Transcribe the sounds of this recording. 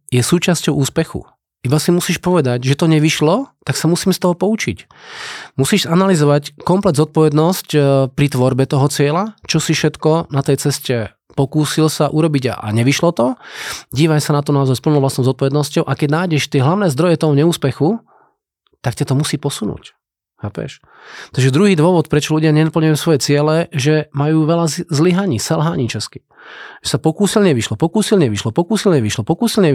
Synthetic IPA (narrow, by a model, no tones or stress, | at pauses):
jɛsuːt͡ʃascɔʊʔuːspɛxṵ | ʔibasimusiːʃpɔʋɛd̪aɟʒɛt̪ɔɲɛʋiʃlɔt̪aksamusiːmst̪ɔɦɔpɔut͡ʃḭc | musiːʒzanalizɔʋackɔmplɛd̪zɔt̪̚pɔʋɛd̪nɔscpɾit̪ʋɔɾbɛt̪ɔɦɔt͡sɪɛlat͡ʃɔsifʃɛt̪kɔnat̪ɛjt͡sɛscɛ | pɔkuːsilsaʔuɾɔbiɟa̰a̰ɲɛʋiʃlɔt̪ɔɟiːʋasanat̪̬ɔnaɔzajspl̩nɔʊlastnɔʊzɔt̪̚pɔʋɛd̪nɔscɔʊʔakɛɟnaːjɟɛʃt̪ɪɛɦlaʊnɛːzd̪ɾɔjɛt̪ɔɦɔɲɛuːspɛxu | t̪akcat̪ɔmusiːpɔsunṵːc | paːpɛ̰ʃ | t̪aɡʒɛd̪ɾuɦiːd̪ʋɔʋɔt̪pɾɛt͡ʃɔluɟɪaɲɛnapl̩ɲajuːsʋɔjɛt͡sɪɛlɛʒɛmajuːʋɛlazliɦaɲiːsɛlɦaːɲiːt͡ʃɛski̥ | ʒɛsapɔkuːsilɲɛʋiʃlɔpɔkuːsilɲɛʋiʃlɔpɔkuːsilɲɛʋiʃlɔpɔkuːsilɲɛ